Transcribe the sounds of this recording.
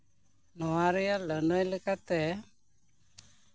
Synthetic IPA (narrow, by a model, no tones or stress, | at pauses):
nɔaɾijalənɔlɨkat̪ɛ